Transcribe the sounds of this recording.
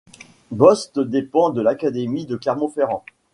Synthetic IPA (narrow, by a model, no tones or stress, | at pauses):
bɔst̪d̪epɑ̃d̪əlakad̪emid̪əklɛʁmɑ̃feʁɑ̃